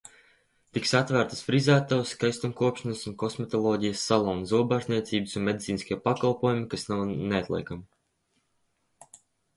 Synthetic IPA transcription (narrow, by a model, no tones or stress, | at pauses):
t̪iksat̪væɾt̪ə̥sfɾizæːt̪awskajst̪umkuɔpʃanasunkɔsmɔt̪ɔlˠɔːɟijəsːalˠɔwnzuɔbaʒnʲiɛt̪siːbɨsunmed̪it̪siːniskʲiɛpakalˠpuɔjumikasnawneat̪lʲˠḭkami